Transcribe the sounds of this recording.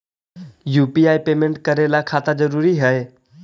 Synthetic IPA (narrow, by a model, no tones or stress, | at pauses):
juːpiaːipeːmẽɳʈkɐɾelakʰaːt̪ad͡ʒɐɾuːɾiɦəe